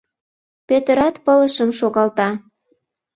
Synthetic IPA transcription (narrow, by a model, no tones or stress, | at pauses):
pøt̪əɾɑt̪pələʃəmʃoɣɑlt̪ɑ